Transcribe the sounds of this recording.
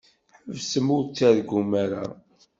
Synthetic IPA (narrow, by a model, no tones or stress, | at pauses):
ħəvsəmʊɾt͡sːæðɡumaɾa̰